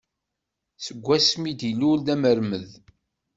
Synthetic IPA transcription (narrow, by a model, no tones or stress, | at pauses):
səɡʷːæsmid̪ilːulðæməɾməð